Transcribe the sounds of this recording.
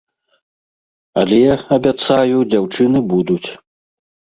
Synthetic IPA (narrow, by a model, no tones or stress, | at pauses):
ɐlʲɛjaɐbʲat̪sajud͡zʲawt͡ʂɨnɨbud̪ut͡sʲ